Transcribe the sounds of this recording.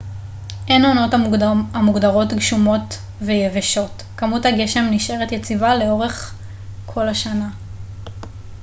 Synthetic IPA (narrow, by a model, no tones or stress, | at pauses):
ʔe̞nono̞tamuɡdaʁo̞tɡʃumo̞t | vejeveʃo̞t | kamuthaɡe̞ʃe̞mniʃe̞ʁetjet͡sivale̞o̞ʁe̞χ | kʰo̞laʃana